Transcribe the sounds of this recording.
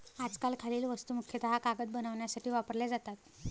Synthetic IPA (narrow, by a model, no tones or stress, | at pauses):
ad͡zkalkʰaliːlʋəst̪umukʰjət̪əɦakaɡəd̪̚bənaʋɳjasaʈʰiːʋapəɾled͡zat̪at̪